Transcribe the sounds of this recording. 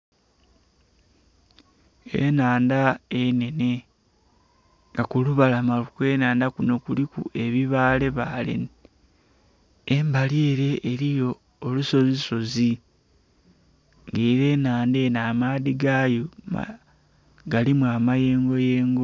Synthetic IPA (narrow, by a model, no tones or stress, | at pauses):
ḛnaːndaene̞ne̞ | ŋɡakuluβalamalukwe̞ːnaːndakuno̞kulikṵe̞βiβaːle̞βalḛn | embaleːɾe̞ʔːɾijo̞ː | luso̞ziso̞zi | ŋɡeːɾe̞ːnaːnde̞naːmaðiɡajoma̰ | ɡalimwaːmaje̞ːŋɡo̞jeːŋɡo